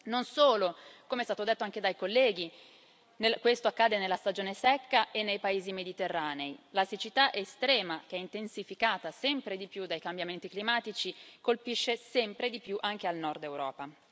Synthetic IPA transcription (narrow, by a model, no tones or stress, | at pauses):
nonsoːlokomeɛst̪aːt̪od̪et̪ːoaŋk̟ed̪ajkolːɛːɡ̟i | nekwest̪oakːad̪enelːast̪ad͡ʒoːnesɛkːaʔenːejpaeːzimed̪it̪erːaːneilaset͡ʃit̪aʔest̪ɾɛːmak̟eɛint̪ensifikaːt̪asɛmpɾed̪ipjud̪ːajkambjament̪iklimaːt̪it͡ʃikolpiʃːesɛmpɾed̪ipjuʔaŋk̟ealnɔrd̪ewɾɔːpa